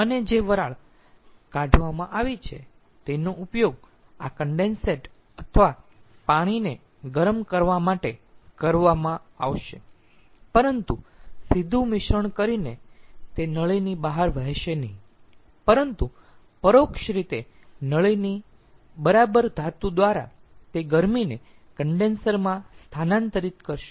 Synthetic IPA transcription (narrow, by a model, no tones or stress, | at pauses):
əned͡ʒeʋəɾaɭ | kãɖʱʋamãʔaʋit͡ʃʰe | t̪enoʔupjoɡ̚ | akəɳɖenseʈ | ət̪ʰəʋa | paɽ̃ine | ɡəɾmkəɾʋamaʈekəɾʋamãaʋʃe | pəɾənt̪usid̪ʱũmɪʃəɳkəɾinet̪enəɭəjnibaɦaɾʋəɦʃenəɦĩ | pəɾənt̪u | pəɾokʃɾit̪e | nəɭəjni | bəɾabəɾd̪ʱat̪ud̪ʋaɾa̰ | t̪eɡəɾmine | kəɳɖensəɾmãst̪ʰanãnt̪əɾit̪kəɾʃe